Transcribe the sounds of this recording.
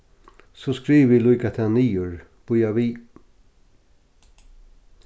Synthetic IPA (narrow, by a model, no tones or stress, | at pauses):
sɔskɾiːʋilujkat̪ʰaniːʊɹ | b̥ʊjaʋiː